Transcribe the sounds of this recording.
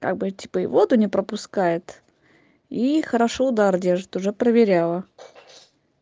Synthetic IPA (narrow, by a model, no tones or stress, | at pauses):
ka̰ɡ̚bɨtʲi̥pəḭvod̪ʊnʲɪpɾəpʊskajɪt̪ | ixəɾaʂoʊd̪ardʲeʐɨt̪ʊʐɛpɾəvʲɪɾʲalˠə